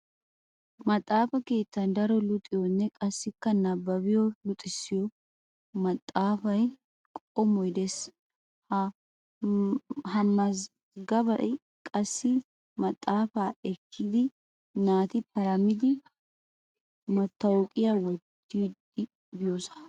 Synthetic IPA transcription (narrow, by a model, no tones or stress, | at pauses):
mɐt̪ʼːaːfɐke̞ːt̪ːɐnd̪ɐɾɔlʊt̪ʼɪjɔnːɛkʼɐsːɪkːɐnɐbːɐβɪjɔlʊt̪ʼɪsːɪjɔ | mɐt̪ʼːaːfɐj | kʼɔmɔjd̪ɛs | hɐmːɐz | ɡɐbɐʔɪ | kʼɐsːɪ | mɐt̪ʼːaːfaːɛkʰːɪd̪ɪ | naːt̪ɪpɐɾɐmːɪd̪ɪ | mɐt̪ːɐwɔkʼɪjawɔt̪ːiːd̪ɪ | bɪjosɐ̥